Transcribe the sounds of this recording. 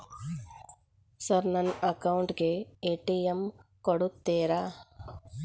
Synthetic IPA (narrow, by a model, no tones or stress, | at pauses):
sɐɾnɐnɐkɐwuɳʈɡeeːʈiemkoɽut̪ːeːɾa